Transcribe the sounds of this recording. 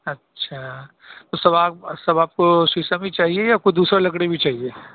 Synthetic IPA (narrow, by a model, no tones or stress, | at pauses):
ɐtːʃʰaː | t̪osɐbaːpsɐbaːp̚kosiːsabʱit͡ʃaːɦiejakoid̪uːsɾalɐkɽebʱit͡ʃaːɦieː